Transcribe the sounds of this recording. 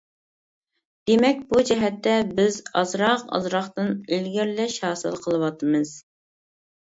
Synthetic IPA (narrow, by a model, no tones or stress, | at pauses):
d̪̥emɛk̚ʲbud͡ʒɛɦɛt̪ːɛbɪzɑzɾɑqɑ̰zɾɑχt̪ɨnelɡʲɪɾlɛʃhɑːsɨ̰lˠqʰəlˠɨwɑt̪ʰɨmɨz̥